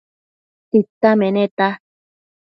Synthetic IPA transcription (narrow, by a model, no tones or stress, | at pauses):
t̪it̪ːamẽnẽt̪a